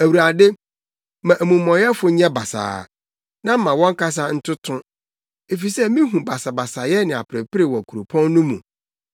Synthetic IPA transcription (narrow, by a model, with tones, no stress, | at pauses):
æ˨wu˨a˨de˦ | mã˨ʔæ˨mũ˨mːɔ̃˨jɛ˦fʊ˨˦ɲɛ̃˦ba˨sa̰ː˨ | nã˦m̩˦mã˨wɔ̃˦ŋ̩˦kʰa˦s̬a˦n̩˦tʰʊ˦tʰʊ̃˦ | e˨fi˨sɛ˦mĩ˦ɦũ˨ba˨sa˨ba˨sa˨jɛ˦nɪ̃˨a˨pʰɪ˨ɾɪ˨pɪ˦ɾe˨wɔ˨kʰu˨ɾo˨pʰɔ̃˦nːʊ̃˦mṵ̃˨